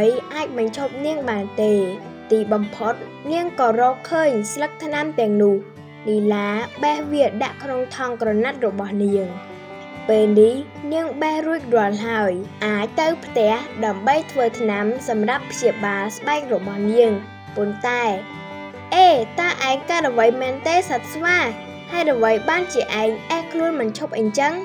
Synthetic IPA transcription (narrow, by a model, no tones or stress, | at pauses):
jʔaːc̚ɓɑɲt͡ɕʰoːp̚niəŋɓaːnt̪eː | t̪iːɓɑmpʰot̪̚ | niəŋkɑːrɔːp̚kʰːəːɲslək̚t̪ʰnamt̪ɛ̆əŋnʊəh | nilaːɓɛhʋiəɗa̰ʔkʰnoŋt̪ʰɑŋkrɑnat̪̚rɔɓɑhniəŋ | peːlnih | niəŋɓɛhruəc̚rŏəlɦaəjʔaːc̚t̪ɨwpʰt̪ɛ̆əhɗaəmɓəjt̪ʰʋəːt̪ʰnamsɑmrapʰːt͡ɕiəɓaːlsɓaɛk̚rɔɓɑhniəŋ | pont̪aɛ | ʔeːt̪aəʔaɛŋkaət̪̚ʔəʋəjmɛːnt̪eːsət̪̚sʋaː | haɛt̪̚ʔəʋəjɓaːnt͡ɕiəʔaɛŋʔahkʰluənɓɑnt͡ɕʰop̚ʔəɲt͡ɕəŋ